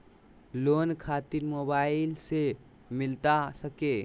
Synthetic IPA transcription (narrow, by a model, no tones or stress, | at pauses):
lonkʰat̪iɾmobaɪilse | milt̪asəke